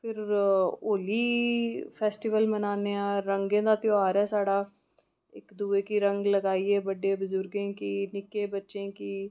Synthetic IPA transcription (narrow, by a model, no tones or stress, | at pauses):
pʰɪɾoːliːpʰɛːsʈiːʋəlmənaːneːãːɾə̃ŋɡẽːd̪aːt̪jaːɾɛːsaːɽaː | ɪ̰kd̪uːeːkiɾə̃ŋɡləɡaːiːeːbəɖeːbʊzʊɾɡẽːkiːnɪkeːbətːʃẽːkiː